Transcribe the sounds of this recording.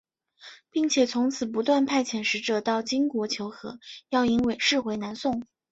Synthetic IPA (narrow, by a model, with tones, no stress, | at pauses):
pi˥˩ŋt͡ɕʰjɛ˨˩t͡sʰʊ˧˥ŋt͡sʰɹ̩˨˩p̬u˧˥t̪wa˥˧npʰa˥˩ɪt͡ɕʰjɛ˨˩nʂɻ̩˧˥ʈ͡ʂɤ˨˩t̪ɑ˥˩ʊt͡ɕi˥ŋkwɔ˧˥t͡ɕʰjo˧˥ʊxɤ̰˧˥jɑ˥˩ʊi˧˥nwe˨˩ɪʂɻ̩˥˩xwe˧˥ɪna˧˥nsʊ˥˩ŋ